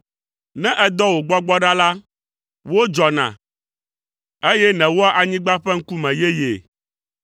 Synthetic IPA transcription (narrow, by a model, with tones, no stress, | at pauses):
nɛ̃˦ʔɛ˦d̪ɔ˦wo˨ɡ͡bɔ˦ɡ͡bɔ˦ɖa˦la˦ | wo˦d͡ʒɔ˨nã̰˨ | e˦jɛ˦nɛ̃˨wo˦a˦ʔa˨ɲĩ˦ɡ͡ba˦ɸɛ˦ŋ̩˦ku˦mɛ̃˨je˦jḛ˨